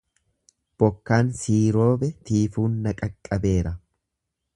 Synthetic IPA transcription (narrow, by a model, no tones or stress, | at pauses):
b̥ɔkːaːnsiːɾo̞ːbɛt̪iːfuːnːɐkʼɐkʼːɐbe̞ːɾɐ